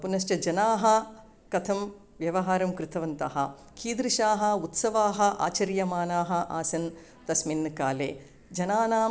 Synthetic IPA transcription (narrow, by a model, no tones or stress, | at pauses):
punɐʃt͡ʃɐd͡ʒɐnaːɦɐ̆ | kɐt̪ʰɐm | ʋjɐʋɐɦaːɾɐmkɾɪt̪ɐʋɐnt̪ɐ̰ɦɐ | kʰiːd̪ɾiʃaːɦɐ̆ut̪sɐʋaːɦɐ̆ʔa̰ːt͡ʃɐɾjɐmaːnaːɦɐ̆ʔa̰ːsɐn | t̪ɐsminːɐkaːlḛː | d͡ʒɐnaːnaː